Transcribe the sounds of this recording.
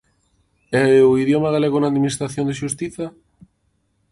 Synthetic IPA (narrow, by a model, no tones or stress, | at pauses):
ɛoiðjomaɣaleɣonaðminist̪ɾaθjond̪eʃust̪iθa